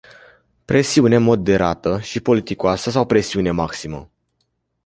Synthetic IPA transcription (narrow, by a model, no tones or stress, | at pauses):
pɾʔe̞siunemo̞d̪ːe̞ɾa̰t̪əʃipo̞lit̪ikoasəs̬awpɾe̞siune̞maksimə̰